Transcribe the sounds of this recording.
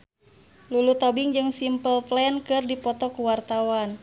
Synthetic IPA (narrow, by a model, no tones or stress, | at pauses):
lulut̪ɔbiŋd͡ʒɨŋsimpəlplɛnkɨrdipɔt̪ɔkuwart̪awan